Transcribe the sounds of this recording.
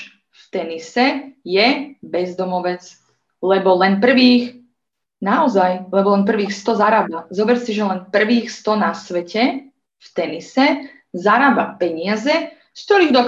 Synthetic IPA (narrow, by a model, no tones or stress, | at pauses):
ft̪ɛnisɛjɛbɛzd̪ɔmɔʋɛt͡s | lɛbɔlɛnp̬r̩ʋiːx | naɔzajlɛbɔlɛnp̬r̩ʋiːxst̪ɔzaɾaːbazɔbɛɾsɛʒɛlɛnpr̩ʋiːxst̪ɔnasʋɛcɛ | ft̪ɛnisɛ | zaɾaːbapɛɲɪazɛ | skt̪ɔɾiːɣd̪ɔ